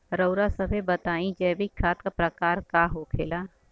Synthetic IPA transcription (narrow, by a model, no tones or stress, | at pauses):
ɾəʊɾasɐbʱebət̪aːĩd͡ʒɛːbikʰaːt̪kapɾɐkaːɾkaːɦokʰḛːlaː